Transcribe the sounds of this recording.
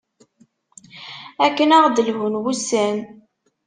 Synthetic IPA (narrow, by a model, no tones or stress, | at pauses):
ækːənaʁd̪əlɦunwusæn